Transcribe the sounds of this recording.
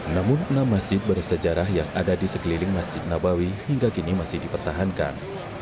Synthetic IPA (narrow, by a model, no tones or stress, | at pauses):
namʊnənamːasd͡ʒɪt̪̚bərsəd͡ʒaɾaɦjaŋadadisəkəlilɪŋmasd͡ʒɪt̪̚nabawihiŋɡakinimasɪhdipərt̪aɦanka̰n